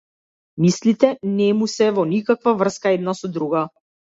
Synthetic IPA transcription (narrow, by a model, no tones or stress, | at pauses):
mislit̪ɛnɛmusɛvɔnikakvavr̩skaɛd̪nasɔd̪ɾuɡa